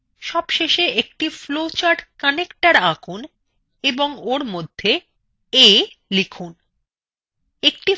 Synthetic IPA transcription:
ʃɔbʃeʃeʔek̚ʈiflot͡ɕaɾɖkanekʈaɾaɡun | eboŋoɾmod̪ʱːe | elikʰun | ek̚ʈi

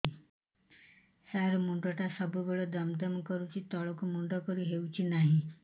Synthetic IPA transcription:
saɾmuɳɖɔʈasəbubeɭɔd̪əmd̪əmkəɾut͡ɕit̪ɔɭɔkumuɳɖɔkəɾuɦeut͡ɕinaɦĩ

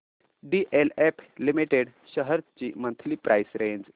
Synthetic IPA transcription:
ɖiʔelepʰlimiʈeɖ | ɕəɦəɾt͡ɕimə̃nt̪ʰlipɾʔajsɾẽɲd͡ʑ

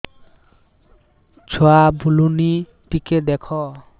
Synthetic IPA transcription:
t͡ɕʰɔabuluni | ʈiked̪ɛkʰo

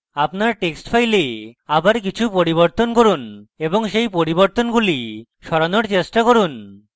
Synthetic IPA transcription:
apnaɾʈeksʈfʰajleabaɾkit͡ɕʰupoɾiβoɾt̪onkoɾuneboŋʃejpoɾiboɾt̪onɡuli | ʃɔɾanoɾt͡ɕesʈakoɾun

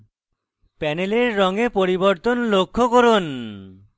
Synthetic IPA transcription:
pɛneleɾːɔŋepoɾiboɾt̪onlokʰːokoɾon

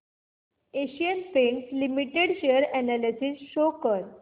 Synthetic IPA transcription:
eɕijənpẽɳslimiʈeɽɕeəɾɛnalisisɕokəɾ

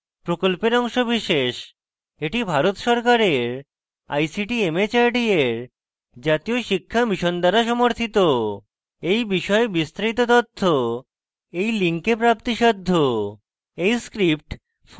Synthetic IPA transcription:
pɾokolpeɾɔŋʃobiʃeʃ | eʈibʱaɾot̪ʃɔɾkaɾeɾ | a̰jsiʈiemet͡ɕaɾɖieɾ | d͡ʑat̪ijoʃikʰːabiʃond̪aɾaʃɔmoɾt̪ʰit̪o | ejbiʃɔebist̪ɾait̪̬ot̪ɔt̪ʰːo | ejliŋkepɾap̚t̪iʃɔd̪ʱːo | ejskɾip̚ʈ

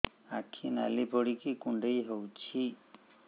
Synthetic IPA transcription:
akʰina̰libʱɔɽikikuɳɖejɦewt͡ʃʰi

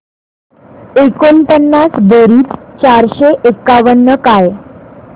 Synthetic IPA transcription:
ekont̪ənːasd̪əɾiːt̪t͡ɕaɾɕeʔekːaʋəɳːəkaj

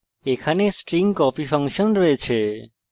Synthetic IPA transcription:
ekʰanesʈɾiŋɡkɔpifʰəŋkʃənɾəɦet͡ʃʰe

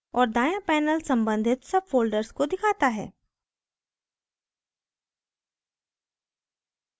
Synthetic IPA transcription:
ɔːɾd̪aːjãpɛːnəlsɐ̃mbə̃nd̪ʱɪt̪sɐb̚foːlɖəɾskod̪ɪkʰaːt̪aɦɛ̰ː

